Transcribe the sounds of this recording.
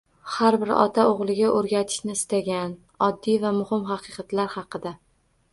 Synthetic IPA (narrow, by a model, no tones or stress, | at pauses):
haɾbɪɾɒ̰t̪ʰaoʁlˠɪɡʲaʔoɾɡʲat̪ʰɪ̥ʃnɪːst̪aɡʲan | ɒd̪ːijvamʊhɪmɦɑqʰɨqɑt̪laɾhɑqɨd̪a